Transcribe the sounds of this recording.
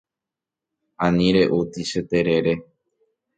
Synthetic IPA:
ãnĩɾe̞ʔut̪iʃet̪eɾeɾe

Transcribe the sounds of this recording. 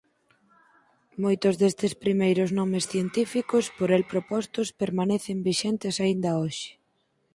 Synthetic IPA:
mojt̪ʊzðest̪ɪspɾimejɾʊznɔmesθjent̪ifikospoɾelpɾopɔst̪ospeɾmaneθembiʃent̪ɪsaind̪ɐoʃɪ̥

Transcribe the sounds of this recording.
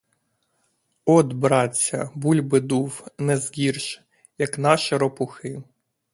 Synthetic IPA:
ɔd̪bɾɑt͡sʲːɐ̰bulʲbɪd̪uwnɛzɦʲirʃ | jɐknɑʃiɾɔpʊxɪ

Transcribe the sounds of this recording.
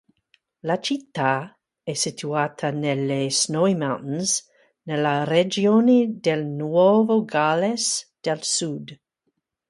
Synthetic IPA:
lat͡ʃit̪ːa | ɛsit̪ʰuaːt̪ʰanelesnojmanz | nelaɾed͡ʒioned̪elnwovoɡalesd̪̥elsud̪

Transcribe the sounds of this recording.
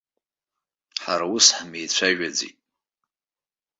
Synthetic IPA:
ħaɾawʊsħmejt͡ɕʷʰaʒᶣad͡zḭtʼ

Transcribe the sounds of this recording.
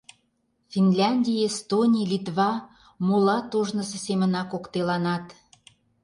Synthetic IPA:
fʲinlʲɑnʲd̪ʲiest̪onʲilʲit̪βɑ | molɑt̪oʒnə̆sĕsemə̆nɑkokt̪elɑnɑt̪

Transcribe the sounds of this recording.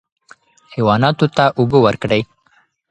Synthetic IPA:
hewɑnɑt̪ot̪aʔʊbəwəɾkɽəj

